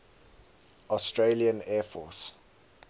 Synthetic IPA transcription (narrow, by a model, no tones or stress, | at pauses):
ɔstɹeliə̃nɛːfɔ̰s